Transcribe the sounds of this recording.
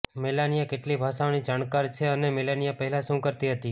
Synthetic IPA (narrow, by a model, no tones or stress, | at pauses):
melanijakeʈlibʱaʃanid͡ʒaɳkaɾt͡ʃʰeənemelanijapəɦɛlaʃũkəɾt̪iɦət̪i